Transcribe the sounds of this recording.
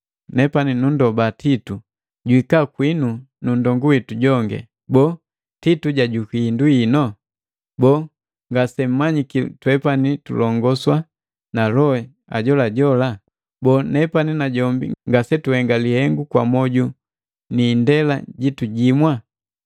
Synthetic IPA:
nɛpaninundɔbatitu | ɟwikakwinu | nundɔŋɡuwituɟɔŋɡɛ̰ | bɔ | tituɟaɟukiːnduinɔ | bɔː | ŋɡasɛm̩mːaɲikitwɛpanitṵlɔŋɡɔswa | nalɔɛ | a̰ɟɔlaɟɔla | bɔːnɛpaninaɟɔmbḭŋɡasɛtuhɛŋɡalihɛŋɡukwa̰mɔɟu | niːndɛla̰ɟituɟimwa

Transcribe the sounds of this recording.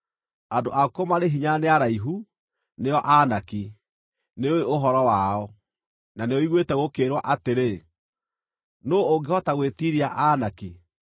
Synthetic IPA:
andoʔakomaɾeɦiɲaneaɾaiɦu | neɔʔanaki | neoeoɦɔɾɔwaɔ | naneoiɣwetɛɣokeːɾwaʔateɾe | noːŋɡehɔtaɣwetiɾiaʔanaki

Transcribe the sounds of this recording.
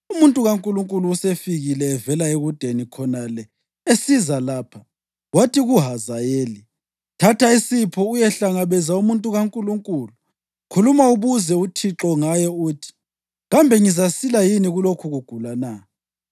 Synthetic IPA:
umuntʼuɣaŋkʼuluŋkʼuluːsefiɣilɛːvɛlaeɣud̥ʱenikʰɔnalɛ | esizalaːpʰa | watʰiɣuɦazajeːli | tʰatʰaisipʰɔujɛɬaŋaβɛzaumuntʼuɣaŋkʼuluŋkʼuːlu | kʰulumauβuzɛutʰiǁɔŋajɛuːtʰi̥ | ɣambʱɛŋizasilajiniɣulokʰuɣuɡ̥ʱulana

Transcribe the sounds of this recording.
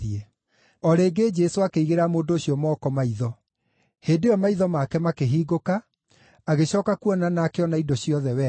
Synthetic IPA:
e | ɔɾeːɡed͡ʒɛsoakeiɣeɾamoːdooɕjɔmɔːkɔmaiðɔ | heːdeɔmaiðɔmakɛmakeɦiːɡokaː | ɣeɕɔːkakuɔnanaːkeɔnaidoɕiɔðɛwɛ

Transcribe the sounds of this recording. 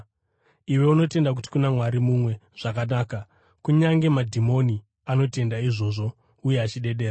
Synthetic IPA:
iwe̞uno̞te̞ndak̬uti̥kunamwaɾimumwe̞ʐ̥akanaːka | kuɲaŋɡe̞madʱimo̞ni | ano̞te̞ndaiʐo̞ːʐo̞ | ujeat͡ʃiɗe̞ɗe̞ːra

